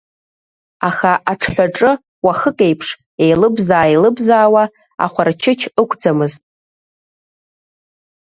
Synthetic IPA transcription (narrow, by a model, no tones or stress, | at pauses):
aχaʔaʈ͡ʂʰħʷᶣaʈ͡ʂʼɨ | waχəkʼe̞jpʰʂ | e̞jlɨbzaːelɨbzaːwa | a̰χʷart͡ʃʰɪt͡ʃʰɨkʷʰʼd͡zamɨztʼ